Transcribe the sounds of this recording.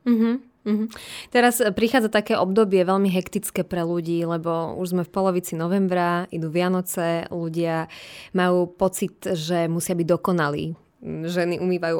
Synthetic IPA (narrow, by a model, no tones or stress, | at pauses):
m̩ɦm̩ː | ɦ̩t̪ɛɾaspɾixaːd͡zat̪akɛːʔɔbd̪ɔbɪɛʋɛʎmiɦɛkt̪it͡skɛːpɾɛluɟiːlɛbɔṵʒzmɛfpɔlɔʋit͡sinɔʋɛmbɾaid̪uʋɪanɔt͡sɛluɟɪamajuːpɔt͡sit̪ʒɛmusɪabiɟ̚d̪ɔkɔnalḭː | ʒɛniʔumiːʋajuː